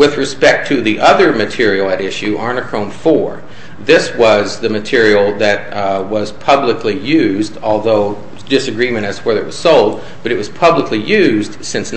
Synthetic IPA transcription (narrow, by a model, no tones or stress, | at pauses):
wɪðɹɨspɛk̚tʰɨðiʔʌðə˞mɨtʰɪɹil̩ˠɨɾɪʃʉʔɑɹnɨkʰɹ̥õʊ̃nfɔɹ | ðɪswʌzðɨmɨtʰɪɹil̩ˠðɨt̚wʌz̥pʰʌbləklijʉzdɔlˠðoʊ | d̥ɪsɨɡɹimɨ̃ɾ̃ɨz̥fə˞ðɨʔ̚wʌz̥soʊlˠd̚ | b̥ʌɾɨʔ̚wʌz̥pʰʌbləklijʉzd̥sɪ̃ns